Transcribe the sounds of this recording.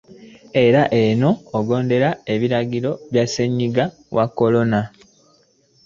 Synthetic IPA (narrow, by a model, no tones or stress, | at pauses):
e̞ɾaʔe̞no̞ːɡo̞ːnde̞ɾae̞βiɾaɡiɾo̞βjaseɲːiɡa | wʔakːo̞lo̞na